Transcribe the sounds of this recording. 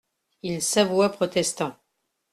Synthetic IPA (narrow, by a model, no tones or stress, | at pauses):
ilsavwapχɔt̪ɛst̪ɑ̃